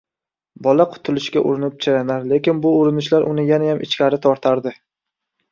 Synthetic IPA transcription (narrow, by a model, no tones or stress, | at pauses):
bɒlaqʰʊ̥t̪ʰʊlɪʃkʲaʔʊ̰ɾɪnɪp̚t͡ʃʰaɾanaɾle̞kʲɪnbʊʊɾɪnɪʃlaɾʔʊnɪjanajamʔɪt͡ʃkʲaɾɪt̪ʰɒɾt̪ʰaɾd̪ɪ